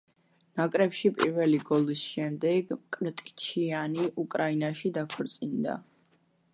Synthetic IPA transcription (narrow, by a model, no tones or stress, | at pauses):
nakʼɾɛpʃipʼḭɾvɛliɡɔlisʃɛmd̪ɛɡmkʼɾt̪ʼt͡ʃʰianiʔukʼɾainaʃid̪akʰɔɾt̪sʼind̪a̰